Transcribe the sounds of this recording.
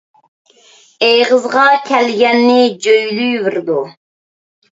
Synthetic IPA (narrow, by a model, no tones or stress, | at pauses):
ejʁəzʁɑkʲʰɛlɡʲɛnːɪd͡ʒøjlyjvɨɾd̪u